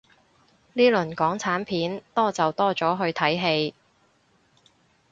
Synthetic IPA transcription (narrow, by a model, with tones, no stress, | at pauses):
niː˥lɵ˨˩nkɔː˨˥ŋt͡sʰaː˨˥npʰiː˨˥nt̪ɔː˥t͡sɐ˨wt̪ɔː˥t͡sɔː˨˥ɦɵ˧ɥt̪ʰɐ˨˥jɦe˧j